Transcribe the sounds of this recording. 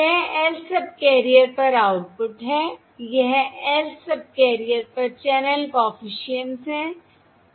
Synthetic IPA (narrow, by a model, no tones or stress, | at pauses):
jɐɦɛːlsɐb̚kɛːɾijəɾpɐɾaːʊʈ̚pʊʈɦɛː | jɐɦɛlsɐb̚kɛːɾijəɾpɐɾt͡ʃɛːnəlpɔːfɪʃiənsɦɛ̃ː